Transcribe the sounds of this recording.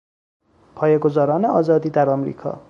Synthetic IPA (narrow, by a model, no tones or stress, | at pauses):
pʰɒːjeɡozɒːɾɒːneɒːzɒːd̪iːd̪æɾɒːmɾḭːkʰɒ̰ː